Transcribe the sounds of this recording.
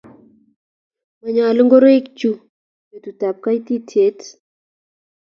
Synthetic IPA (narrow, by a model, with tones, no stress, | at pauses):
ma˨ɲa˨lə˦ŋɡo˦ɾo˦i˦kt͡ʃu˦ | je˨tu˨ta˨p̚ka˦jti˦tʰe˨˦t